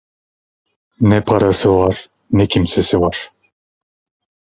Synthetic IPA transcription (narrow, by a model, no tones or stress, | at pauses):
nɛpʰɑɾasɯvɑɾ | nɛkʰimsesivɑɾ̥